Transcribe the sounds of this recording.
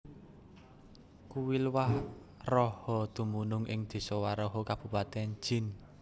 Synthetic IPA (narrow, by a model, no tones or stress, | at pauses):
kuwilwah | rɔhɔd̪̥ṳmunʊŋʔɪ̰ŋd̪̥e̤sɔwaɾɔɦɔkab̥ṳpat̪ɛn̥d͡ʒ̥ɪ̤n